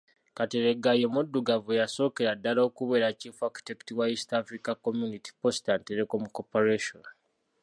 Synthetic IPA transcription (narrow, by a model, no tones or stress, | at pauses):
kate̞ɾe̞ɡajemudːuɡavujaso̞ːke̞ɾadːalaokuβe̞ːɾacifaku̥teki̥tiwaistafɾikakomjuniti̥po̞stanteɾeko̞muko̞poɾeʃo̞̰n